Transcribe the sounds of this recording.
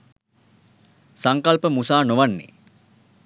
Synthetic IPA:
saŋkalpəmusaːnoʋanːḛ

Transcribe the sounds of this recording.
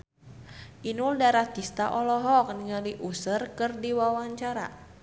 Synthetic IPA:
ʔinuldaɾat̪ist̪aʔɔlɔɦɔk̚niŋaliʔusərkɨrdiwawaɲt͡ʃaɾa̰

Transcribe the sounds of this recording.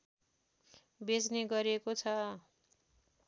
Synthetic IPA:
bed͡zneɡʌɾiekot͡sʰʌ

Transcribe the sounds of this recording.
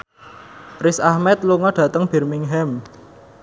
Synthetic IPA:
rɪsahmɛt̪̚luŋɔɖ̥ä̤t̪əŋb̥ɛ̤rmiŋɦɛm

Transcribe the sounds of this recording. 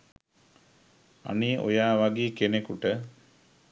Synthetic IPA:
a̰niːʔo̰jaːʋaɡeːkenekuʈə

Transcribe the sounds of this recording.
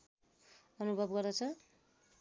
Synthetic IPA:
ʌnubʱʌbɡʌrd̪ʌt͡sʰʌ

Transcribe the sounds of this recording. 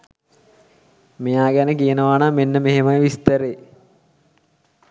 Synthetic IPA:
mejaːɡænəkijənəʋaːnaːmenːəmeɦemajʋist̪əɾeː

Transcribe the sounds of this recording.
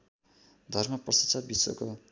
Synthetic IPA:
d̪ʱʌrmʌpʌsat͡sabiso̰ko

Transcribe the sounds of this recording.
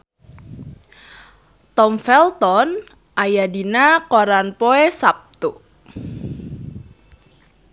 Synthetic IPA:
t̪ɔmfɛlt̪ɔn | ʔajadinakɔɾanpoesap̚t̪u

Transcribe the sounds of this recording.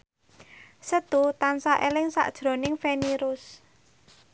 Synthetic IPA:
sət̪ut̪ansaʔelɪŋsa̰ʔd̥ʒ̥ɾo̤nɪŋfeniɾʊs

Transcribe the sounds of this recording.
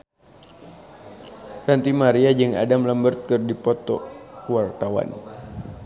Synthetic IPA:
rant̪imaɾiad͡ʒɨŋa̰damləmbərt̪̚kɨrdipɔt̪ɔ̰kuwart̪awa̰n

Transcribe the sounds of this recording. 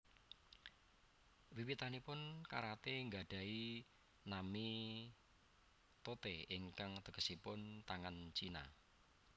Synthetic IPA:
wiwit̪anipʊnka̰ɾat̪eŋɡaɖ̥a̤i | nami | t̪ot̪eɪŋkaŋt̪əɡəsipʊnt̪aŋant͡ʃina̰

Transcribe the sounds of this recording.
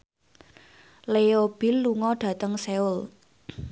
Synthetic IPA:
leob̥ɪlːuŋɔɖ̥ä̤t̪əŋseʊl

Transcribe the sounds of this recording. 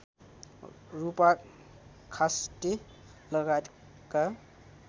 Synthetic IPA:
rupa | kʰasʈe | lʌɡat̪ | ka

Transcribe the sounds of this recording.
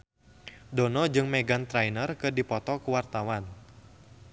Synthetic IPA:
dɔnɔd͡ʒɨŋmɛɡant̪ɾajnərkɨdipɔt̪ɔkuwart̪awan

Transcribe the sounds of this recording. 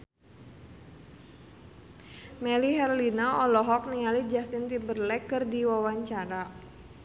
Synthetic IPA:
mɛliɦɛrlinaɔlɔɦɔk̚nialid͡ʒast̪int̪imbərlɛkɨrdiwawaɲt͡ʃaɾa

